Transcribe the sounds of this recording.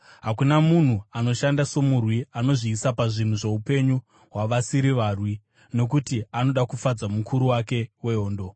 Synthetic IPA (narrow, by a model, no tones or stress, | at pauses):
ɦakunamun̤uano̞ʃandaso̞murwiano̞ʐiːsapaʐin̤uʐe̞upe̞ɲu | ɦwaʋasiɾiʋaːrwi | no̞k̬utiano̞ɗakufad͡zamukʰuɾuwake̞we̞oːndo̞